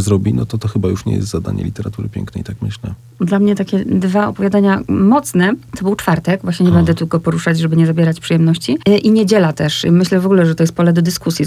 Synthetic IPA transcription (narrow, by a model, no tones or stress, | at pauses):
zɾɔbʲinɔt̪ɔt̪ɔxɘbajuʂɲɛ̰jɛ̰st̪zad̪a̰ɲɛ̰lʲit̪ɛɾat̪uɾɘpʲjɛ̰ŋknɛjt̪akmɘɕlɛ | d̪lamɲɛt̪akʲɛd̪vaɔpɔvʲjad̪aɲamɔt̪snɛt̪ɔbɘwt͡ʂfaɾt̪ɛkvwaɕɲɛɲɛbɛnd̪ɛt̪ulkɔpɔɾuʂad͡ʑʐɛbɘɲɛzabʲjɛɾat͡ɕpʂɨjɛmnɔɕt͡ɕiʔiɲed͡ʑɛlat̪ɛʂmɘɕlɛvɔɡulɛʐɛt̪ɔjɛst̪̚pɔlɛd̪ɔd̪ɘskusʲji